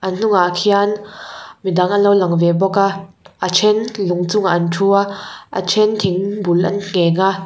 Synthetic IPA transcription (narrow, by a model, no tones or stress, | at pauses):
ʔɐnn̥uŋaʔkʰianmidaŋɐnlowlɐŋvɛbɔka | ʔat͡ʃʰɛnluŋt͡sʊŋaʔantʰuaʔa̰t͡ʃʰɛnt̪ʰiŋbulʔɐ̰nŋ̥ɛːŋaʔ